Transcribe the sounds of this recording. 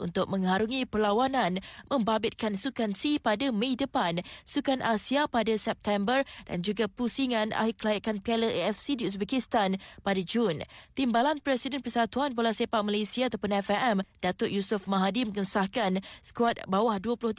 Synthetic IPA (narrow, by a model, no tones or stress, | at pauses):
ʔṵnt̪ʊk̚mə̃ŋhaɾuŋĩpərlawanãnmə̃mbabɪt̪̚kansukansipadamẽidəpansukanʔasiapadasɛp̚t̪ɛmbərd̥a̰nd͡ʒuɡapusiŋãnʔa̰ɦikəlajakanpɛləʔeɛfsidius̬bekist̪anpadad͡ʒunt̪imbalanpɾɛsidɛnpərsat̪uanbolahsepaʔ̚malesiaat̪awpʊnɛfɛʔɛmd̥at̪ʊʔjusʊfmaɦadimə̃ŋəsahkansə̥kuat̪̚bawahduəpulʊht̪